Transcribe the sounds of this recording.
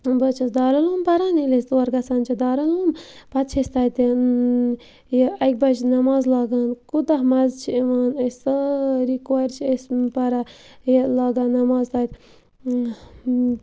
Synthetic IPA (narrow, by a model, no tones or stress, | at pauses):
bɐt͡ʃʰɐsd̪aːɾɐloːmpɐɾanilest̪uɐɾɡɐsant͡ʃʰɐd̪aːɾɐloːmpɐt̪̚t͡ʃʰesʲt̪aːjt̪i | jɐk̚ʲbɐt͡ʃʰnɐmaːzlaːɡaːnkud̪ɐɦmɐzt͡ʃʰiiʋaːnɐssəɾikwaːjɾt͡ʃʰesʲpɐɾajlaːɡaːnɐmaːzt̪aːjt̪